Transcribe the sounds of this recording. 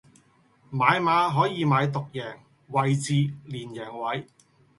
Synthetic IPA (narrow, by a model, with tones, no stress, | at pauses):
maː˨˧jmaː˨˧ɦɔː˨˥jiː˨˧maː˨˧jt̪ʊ˨k̚jɛː˨˩ŋ | wɐ˨˩jt͡siː˨˧liː˨˩njɛː˨˩ŋwɐ˨˧j